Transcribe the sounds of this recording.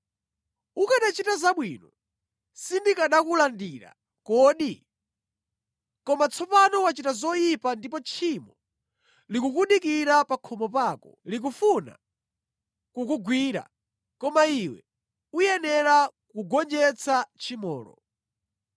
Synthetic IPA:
ukaɗat͡ʃitazaɓwinɔ | sindikaɗakulandiɾa̰ | kɔɗi | kɔmat͡sʰɔpanɔwat͡ʃitazɔjipandipɔt͡ʃʰimɔ | likukuɗikiɾapakʰɔmɔpakɔ̰lik̬ufuna̰ | kukuɡwiːɾa̰ | kɔmaiwɛ̰ | ujɛnɛɾakuɡɔnd͡ʒɛt͡sʰat͡ʃʰimɔ̰ːlɔ̰

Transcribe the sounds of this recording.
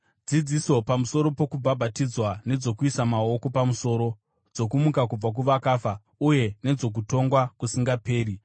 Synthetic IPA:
d͡zid͡ziso̞pamuso̞ɾo̞po̞kubʱabʱatid͡zwane̞d͡zo̞kuisamao̞ko̞pamuso̞ɾo̞ | d͡zo̞kumukak̬ub͡vak̬uʋakafa | uje̞ne̞d͡zo̞k̬uto̞ŋɡwakusiŋɡape̞ːɾi

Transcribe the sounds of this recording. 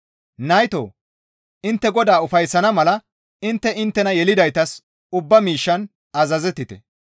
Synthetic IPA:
nɐjt̪o̰ː | ʔɪnt̪ːɛɡɔd̪aːʊfɐjsːɐnɐmɐlɐ | ɪnt̪ːɛʔɪnt̪ːɛnɐjɛlɪd̪ɐjt̪ɐs | ʊbːɐmiːʃːɐn | ɐzɐzɛt̪ːɪt̪ɛ̰

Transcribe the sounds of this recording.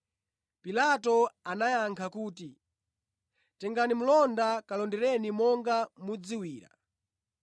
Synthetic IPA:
pilatɔanajaŋkʰakuːti | tɛŋɡanim̩lɔndakalɔndɛɾɛnimɔŋɡamud͡ziwiːɾa̰

